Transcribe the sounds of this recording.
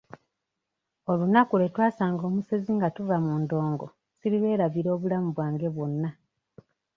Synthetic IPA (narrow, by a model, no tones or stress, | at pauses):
o̞lunakule̞twaːsaːŋɡo̞ːmuseziŋɡatuvamuːndo̞ːŋɡo̞̰ | siɾilwe̞ːɾaviɾo̞ːβulamuβwaːŋɡe̞βwo̞nːa